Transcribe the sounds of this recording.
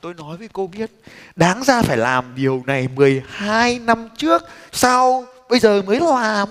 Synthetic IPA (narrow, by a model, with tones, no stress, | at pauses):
t̪o˧jnɔ˨˦jvəː˨˦jko˧ɓi˦˥ət̚ɗaː˨˦ŋzaː˧faː˧˩jlaː˨˩mɗi˨˩əwna˨˩jmɨ˨˩əjhaː˧jna˧mt͡ɕɨ˦˥ək̚sa˧wɓə˧jzəː˨˩məː˨˦jlaː˨˩m